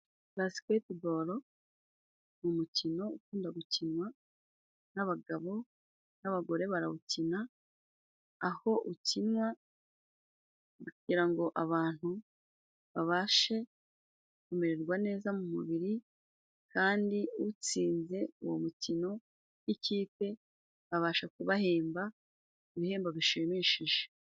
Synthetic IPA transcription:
βazi̥kwetiboɾo̞ | mumucino̞ukuːndaɡucinwa | naβaɡaβo̞ | naβaɡo̞ɾe̞βaɾaβucina | ho̞ʔucinwa | kuɟiɾaŋɡo̞ʔaβaːn̥hu | βaβaːʃe̞ | kumeɾeɾɡwane̞ːzamumuβiɾi | kaːndiut͡siːnze̞uwomutino̞ | iciːpe̞ | βaβaːʃakuβahe̞ːmba | iβihe̞ːmbaβiʃimiʃiʒe

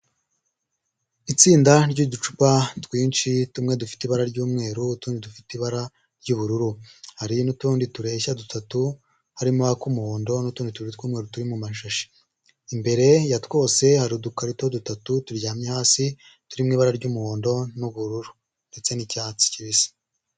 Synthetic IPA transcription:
it͡siːndaɾɟudut͡ʃu̥patwiːnt͡ʃitumŋe̞dufi̥tiβaɾaɾɟuːmŋe̞ːɾutuːndidufitiβaɾa | ɾɟuβuɾuɾuhaɾinutuːndituɾe̞çadutatu | haɾimoakumuhoːndo̞nutuːndituɾitkuːmŋe̞ːɾutuɾimumaʃaʃe̥ | imbe̞ɾe̞jatwo̞ːse̞haɾiudukaɾitodutatutuɾjaːmɲehaːsi | tuɾimŋiːβaɾaɾɟumuho̞ːndo̞nuβuɾuɾu | nde̞t͡se̞nicaːt͡si̥ciβisḁ

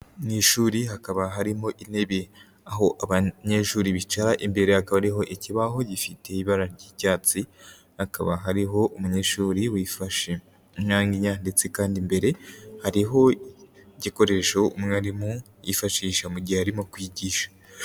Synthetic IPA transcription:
niʃuːɾiɦakaβaɦaɾimo̞ʔine̞βe | aɦo̞ʔaβaɲe̞ʃuːɾiβit͡ʃaɾaʔimbe̞ɾehakaβaɾiɦo̞ʔiciβaɦo̞ɟifite̞iβaɾaɾɟiːcaːt͡si | hakaβaɦaɾiɦo̞ʔumuɲe̞ʃuːɾiwifaʃe | ɲaːŋɡiɲandet͡sekaːndimbe̞ɾe̞haɾiɦo̞ | ɟiko̞ɾe̞ʃoumŋaɾimo | jifaʃiːʃamuɟihehaɾimokwiːɟiːʃḁ

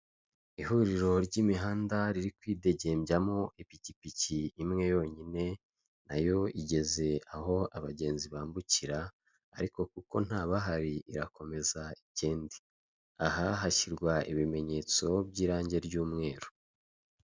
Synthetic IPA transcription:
ihuɾiɾo̞ɾɟimiɦaːndaɾiɾikwiːde̞ɟe̞mbjamo̞ʔipicipiciːmŋe̞jo̞ːɲine̞ | najo̞iɟe̞ze̞aho̞aβaɟe̞ːnziβaːmbuciɾaː | ɾiko̞kuko̞n̥haːβaɦaɾiiɾako̞me̞zaiceːndi̥ | aɦaɦaciɾɡwaʔiβime̞ɲe̞ːt͡so̞bɟiːɾaːɲɟe̞ɾɟuːmŋe̞ːɾo

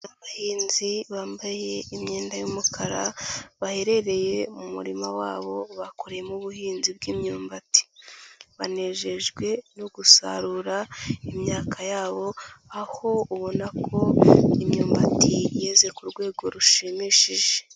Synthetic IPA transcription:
naβahiːnziβaːmbaje̞imɲe̞ːndajumukʰaɾaβahe̞ɾe̞ɾe̞je̞mumṵɾimawaːβo̞βakʰo̞ɾejemuβuhiːnzibɡiːmɲuːmbati̥βane̞ʒe̞ʒɡwe̞nuɡusa̰ɾuɾaimɲaːkʰajaːβo̞aho̞uβo̞nakʰo̞imɲuːmbatijeːze̞kuɾɡwe̞ːɡo̞ɾuʃimiːʃiʒe

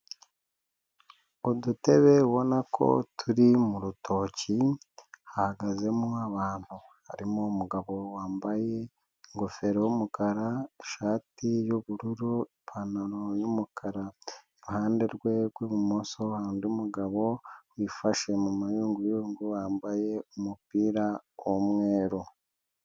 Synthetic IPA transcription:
udute̞βe̞βo̞nakʰo̞̰tʰuɾimuɾutʰo̞ːci | hahaɡaze̞muaβaːn̥hu | ha̰ɾimoumuɡaβo̞waːmbaje̞ | ŋɡofe̞ɾewumukʰaɾaʃaːtijoβuɾuɾuipʰanaɾojumukʰaɾaeɾuhaːndeɾɡwe̞ɡwemumoso̞handiumuɡaβo̞wifaʃe̞mumajuːŋɡujuːŋɡuwaːmbaje̞umupiːɾaomwe̞ːɾo

